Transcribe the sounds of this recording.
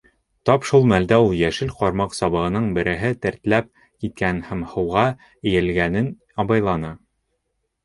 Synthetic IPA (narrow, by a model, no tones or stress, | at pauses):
t̪ɒpʃulˠmæld̪æulˠjæʃɘlqɒɾmɑqsɒβɤ̆ʁɤ̆nɤɴbɘ̆ɾʔɘ̆ɦɘt̪æ̆ɾt̪læp̚ | kit̪̚kænhæmhɤ̆wʁɑ | ɘ̆jɘ̆lɡænɘn | ɒbɑjlˠɑnɑ